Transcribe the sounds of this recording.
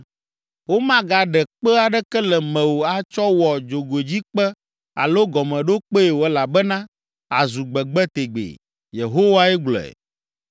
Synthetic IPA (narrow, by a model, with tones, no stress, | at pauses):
wo˦mã˦ɡa˨ɖɛ˨k͡pɛ˦a˨ɖɛ˦kɛ˦lɛ˨mɛ̃˨wo˨a˨t͡ʃɔ˦wɔ˨d͡ʒo˨ɡo˨e˨d͡ʑi˦k͡pɛ˦ | a̰˨lo˦ɡɔ˨mɛ̃˨ɖo˦k͡pe˦e˨wo˨ɛ˦la˨bɛ˦nã˦ | a˨zu˨ɡ͡bɛ˨ɡ͡bɛ˦t̪e˨ɡ͡bḛ˨ | je˨ɦo˦wa˦ɛ˦ɡ͡blɔ̰˨ɛ̰˨